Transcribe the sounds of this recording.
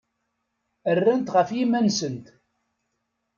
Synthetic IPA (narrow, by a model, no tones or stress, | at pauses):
ərːænt̪ʁəfjimːænsənt̪